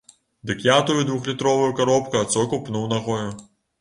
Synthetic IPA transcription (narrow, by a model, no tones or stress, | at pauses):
d̪ɨkjat̪ujud̪vuxlʲit̪ɾɔvɐjukaɾɔpkɐat̪sɔkupnuwnaɣɔjʊ